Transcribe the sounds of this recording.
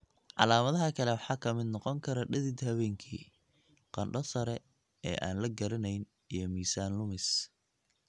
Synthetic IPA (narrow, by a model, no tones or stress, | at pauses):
ʕɑ̰laːmɐðɐɦɐkʰɐlɛwɑħɑːkʰɐmɪd̪nɔqɔŋkʰɐɾɐɖɐðɪd̪hɐβɛːŋkʰḭː | qɑnɖɐsɐɾɛ | ɛ̰ːʔa̰ːnlɐɡɐɾɐnɛjn | ijɞmiːsaːnlʊmɪs